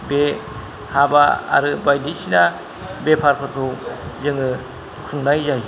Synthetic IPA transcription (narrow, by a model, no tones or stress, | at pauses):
be | habaa̰ɾɯbajdisina | bepʰaɾpʰɔtʰowzɯŋɯ | kʰuŋnajzaj